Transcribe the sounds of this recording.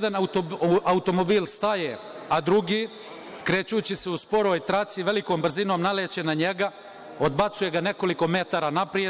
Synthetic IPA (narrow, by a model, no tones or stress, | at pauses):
d̪anauoaut̪o̞mobiːlst̪aje | ad̪ɾuɡiː | kɾe̞ːt͡ɕuːt͡ɕiseuspo̞ɾo̞ːjt̪ɾat̪siʋe̞liko̞ːmbr̩zino̞ːmnalet͡ɕenaɲeɡa | o̞d̪bat̪suje̞ɡane̞ko̞liko̞me̞t̪aːɾaːnapɾie